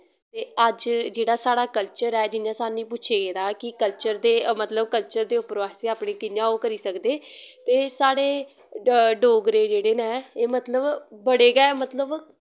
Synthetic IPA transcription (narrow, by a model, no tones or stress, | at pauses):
t̪eːəd͡ʒd͡ʒeːɽaːsaːɽaːkəlt͡ʃəɾɛːd͡ʒɪnjãːsaːnĩːp̬ʊːt͡ʃʰeːɡeːd̪aːkɪkəlt͡ʃəɾd̪eːmət̪ləbkəlt͡ʃəɾd̪eːʊpːɾʋaːseːaːpɳẽːkɪnjãːoːkəɾiːsəkd̪eːt̪eːsaːɽeː | ɖoːɡɾeːd͡ʒeːɽeːnɛ̃ːeːmət̪ləbbəɽeːɡɛːmət̪ləb